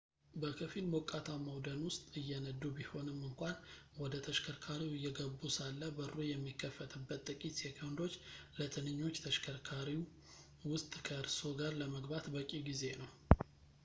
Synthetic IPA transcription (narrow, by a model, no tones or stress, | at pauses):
bəkʰəfilmokʼːat̪ʰaməwd̪ənwʊst̪ʼɨjːɛnəd̪ːubiho̞nɨmːɨŋkʷanwɔd̪ət̪ʰəʃkʰəɾkʰaɾiwɨjːɛɡəbːusalːəbəɾojɛmːikːəfət̪ʰɨbːət̪ːʼɨkʼit̪jɛkʰənd̪o̞t͡ʃːlət̪ʰɨnɨɲːo̞t͡ʃːt̪ʰəʃkʰəɾkʰaɾi | wʊst̪ʼkʰəɨɾso̞ɡaɾləməɡbat̪bəkʼiɡize̞nəw